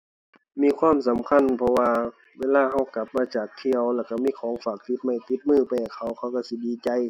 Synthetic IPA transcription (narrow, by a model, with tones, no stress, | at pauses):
miː˧˥˨kʰwaː˧˥˨msa˨˦mkʰa˧˥˨npʰɔ˧waː˧ | weː˧˥˨laː˧˨ɦa˧˩wka˧˦p̚maː˧t͡ɕaː˨˩k̚t̪ʰi˧˨əwlɛː˧˩wka˧˩miː˧˥˨kʰɔː˨˦ŋfaː˨˩k̚t̪i˧˦t̪̚ma˧˩˨jt̪i˧˦t̪̚mɯː˧˩˨pa˧˨˩kʰa˧˩wkʰa˧˥˨wka˧˩si˧˦diː˧˦t͡ɕa˧˦j